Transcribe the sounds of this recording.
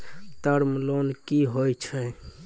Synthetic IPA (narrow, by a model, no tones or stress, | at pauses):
t̪əɾmlonkiɦojt͡ʃʰɛ